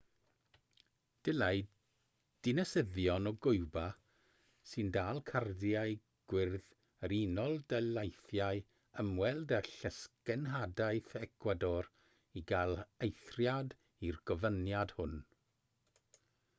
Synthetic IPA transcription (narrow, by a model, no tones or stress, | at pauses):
d̥ɪlaj | d̥ɪnɛsəðjɔnɔɡʊɨba | sɨndaːlˠkʰardjaɨ | ɡ̥wɪrð | əɾinɔlˠdəlajθjaɨ | əmwɛlˠdaɬəskɛnɦadaɨθɛkʰwadɔr | iɡalˠejθrjad | irɡ̥ɔvənjad̥hʊn